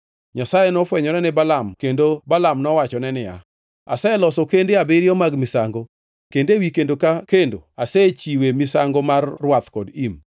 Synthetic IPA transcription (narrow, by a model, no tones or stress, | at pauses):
ɲasajenɔfwɛɲɔɾɛnɪbalamkendobalamnɔwat͡ʃɔnɛnɪa̰ | a̰sajelɔsɔkendeabɪɾjɔmaɡmɪsaŋɡo | kendewikendokakendo̰aset͡ʃiwemɪsaŋɡomarːwat̪kɔdim